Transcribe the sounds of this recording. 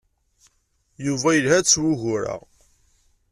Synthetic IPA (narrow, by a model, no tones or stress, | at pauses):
juvæjəlhæt͡sːwuʝʊɾa̰